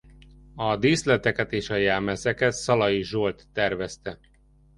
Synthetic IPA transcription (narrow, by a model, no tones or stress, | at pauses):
ɒd̪iːslɛt̪ɛkɛt̪eːʃɒjaːmɛzɛkɛt̪sɒlɒjiʒolt̪ːɛrvɛst̪ɛ